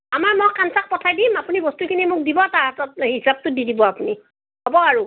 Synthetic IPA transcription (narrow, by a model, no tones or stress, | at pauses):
amaɹmɔkːansak̚pɔtʰajdimapunibɔstukʰinimʊk̚dibɔtaatɔt̚ɦisab̚tʊdidibɔapuni | hobɔaɹu